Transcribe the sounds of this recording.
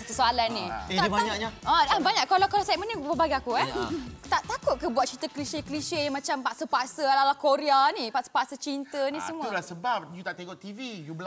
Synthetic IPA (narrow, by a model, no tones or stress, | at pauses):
sit̪usoalanːiead͡ʒubaɲakɲaalabaɲaʔkːalakalasat̪̚mənĩpəbaɡiakuat̪aʔt̪akʊt̪̚kəbuat̪̚t͡ʃit̪əkliʃekliʃeamãt͡ʃampaʔsəpasəalalakoɾeanipaʔsə̥pasət͡ʃint̪ənĩsəmulasəbap̚jut̪aʔt̪eŋoʔt̪ivijubəla